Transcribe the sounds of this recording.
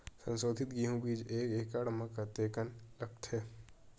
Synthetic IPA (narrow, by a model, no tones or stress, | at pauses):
sə̰̃nsoːd̪ʱɪt̪ɡiɦũbiːd͡ʒeːkeːkaːɽmakat̪eːkənlɐk̚t̪ʰɦɛː